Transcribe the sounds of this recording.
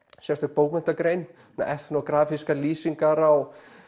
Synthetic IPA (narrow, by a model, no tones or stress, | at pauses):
sjɛst̪ʏk̚poːwkmɛn̥t̪akɾejn | mɛ̰ʔɛt̪nɔkɾaːfiskaliːsiŋkaɾaw